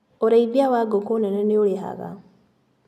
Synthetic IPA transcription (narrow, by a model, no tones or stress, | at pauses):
oɾaibjawaɡokonenaneolexa̰ɣa̰